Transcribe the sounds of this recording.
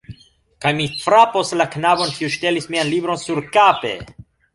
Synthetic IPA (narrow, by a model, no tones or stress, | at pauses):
kajmifɾapo̞slaknabo̞nkiuʃte̞lismianlibɾo̞nsuɾkape̞̰